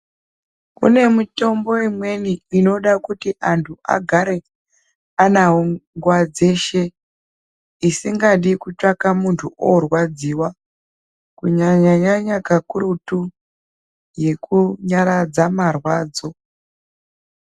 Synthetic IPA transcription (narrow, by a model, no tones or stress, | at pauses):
ṵne̞muto̞mbo̞imwe̞niːno̞ɗakutiʔantʰua̰ɡʱaɾe̞ | anaɦoŋɡwad͡ze̞ʃe | isiŋɡaɗikut͡ʂakamuntʰuʔorwad͡ziːwa | kuɲaɲaɲaɲakakuɾutu | je̞kuɲaɾad͡zamarwaːd͡zo̞